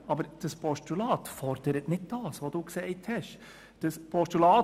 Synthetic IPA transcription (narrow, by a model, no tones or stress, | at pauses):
ɑbəɾd̥əspʰɔʃtulɑːt̪fɔɾd̥əɾətnɪt̚d̥ɑːsʋoːd̥uːksɛɪthɛʃ | d̥əspʰɔʃtulɑː